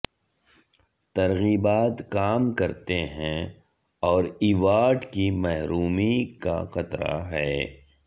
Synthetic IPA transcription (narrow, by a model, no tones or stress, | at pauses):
t̪ɐɾɣiːbaːt̪kaːmkɐɾt̪eɦɛ̃ | ɔːɾiʋaːʈkimɛɦɾuːmika̰xɐt̪ɾa̰ɦɛː